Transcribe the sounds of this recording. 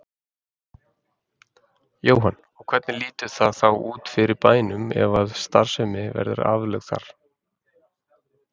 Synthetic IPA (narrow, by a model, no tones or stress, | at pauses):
joːwɦan | ɔkʰvɛt̪nɪliːt̪ʏ̥θaðθawʔuːt̪fɪɾɪɾpaːjnʏmɛ̰vaðst̪ar̥sɛmɪvɛ̰ɾðʏ̰ɾa̰ːvlœɣθa̰ɾ̥